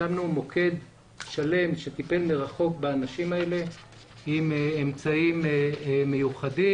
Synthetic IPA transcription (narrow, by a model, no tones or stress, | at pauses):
amnumo̞kʰe̞d̪ | ʃale̞mʃet̪ipe̞lmiʁaχo̞kbaːnaʃimae̞le̞ | imemt͡saimme̞juχadi